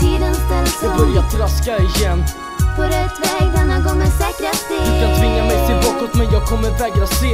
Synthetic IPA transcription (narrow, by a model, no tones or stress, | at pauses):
t̪ʰiːd̪ənst̪ɛlsbœɾjafəɾaskaɪjɛnː | fɔɾɛt̪vɛɡd̪ɛnːaɡɔŋːənsɛːkɾəid̪ɵskant̪ʰvɪŋːamɛjt̪ʰɪlbɑːkaɔt̪mɛjɑːɡ̚kʰɔmːəɾvɛːɡɾaseː